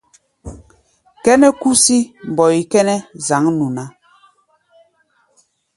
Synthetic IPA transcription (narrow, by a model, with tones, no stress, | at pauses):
kɛ˦nɛ˦ku˦si˦m̩˨bɔ˨i˨kɛ˦nɛ˦za˨˦ŋnu˨na˨˦